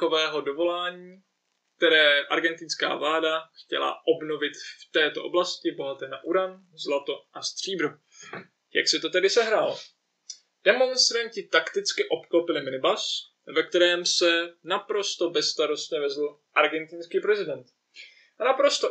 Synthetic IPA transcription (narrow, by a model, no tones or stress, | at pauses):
ovɛːɦo̞do̞vo̞laːɲiː | kt̪ɛɾɛːʔa̰ɾɡɛnt̪ɪnska̰ːvlaːdaxcɛ̰la̰ʔobno̞vɪt̪ft̪ɛːt̪o̞̰ʔo̞̰blascɪbo̞ɦat̪ɛːnaʔuɾam | zlat̪o̞ʔast̪r̝̥iːbɾu | ja̰ksɛt̪o̞t̪ɛdɪsɛɦɾaːl | d̥ɛmo̞nst̪ɾaɲcɪt̪akt̪ɪt͡skɪʔo̞pklopɪlɪmɪlɪbas | vɛk̚t̪ɛɾɛːmsɛnapɾo̞st̪o̞bɛsst̪aɾo̞st̪ɲɛvɛzl̩ | ʔaɾɡɛnt̪ɪnskiːpɾɛzɪdɛnt̪ | ʔanapɾo̞st̪o